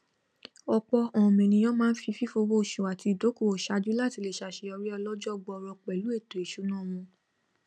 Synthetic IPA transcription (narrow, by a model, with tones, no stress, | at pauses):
ɔ˧k͡pɔ˧ɔ̃˨mɛ̃˨nĩ˧j̃ɔ̃˦mãː˦n̩˦fi˧fi˦fo˧wo˦˨ʃu˨a˨ti˧˨do˨˦ku˦˨o˨ʃa˨˦d͡ʒu˦la˦˨ti˧le˦˨ʃa˧˨ʃe˧˦ɔ˧ɾi˦ɔ˧lɔ˦d͡ʒɔ˦˧˨ɡ͡bɔ˧ɔ˧ɾɔ˧k͡pɛ˨lu˨˦e˦˨to˨e˨ʃu˨˦nã˦˨mũ˧